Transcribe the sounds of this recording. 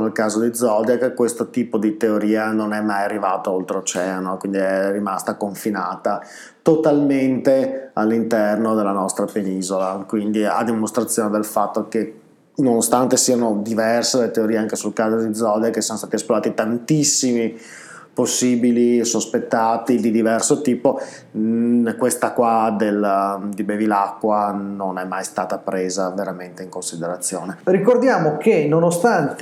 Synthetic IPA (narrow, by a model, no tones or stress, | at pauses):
nelkaːzod̪id̪zɔd̪jakekːwest̪ot̪iːpod̪it̪eoɾiːanonɛmːajarːivaːt̪oolt̪ɾeot͡ʃɛːanokwind̪iɛrimast̪akoɱfinaːt̪a | t̪ot̪alment̪ealːint̪ɛrnod̪elːanɔst̪ɾapeniːzolakwind̪ia̰d̪ːimost̪ɾat̪sːjoːned̪elfat̪ːoke | nonost̪ant̪esiːanod̪ivɛrselet̪eoɾiːeaŋkesulkaːzod̪id̪zːɔd̪jakesionost̪at̪iesploɾaːt̪it̪ant̪isːimi | posːiːbilisospet̪ːaːt̪id̪id̪ivɛrsot̪iːpo | kwest̪akwad̪eld̪ibevilakːwanonɛmːajst̪aːt̪apɾeːzaveɾament̪eiŋkonsid̪eɾat̪sːjoːnerikord̪jaːmokenonost̪ant̪